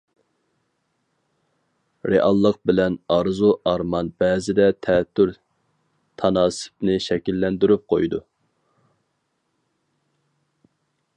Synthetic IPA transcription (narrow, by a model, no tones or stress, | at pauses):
ɾeʔɑlˠːəqbɪlɛnɑɾzuʔɑɾmɑnbɛːzɪd̪ɛt̪ʰɛt̪ʰːyɾ | t̪ʰɑnɑːsɪ̥p̚nɪʃɛkʲilːɛnd̪yɾyp̚qʰojd̪ṵ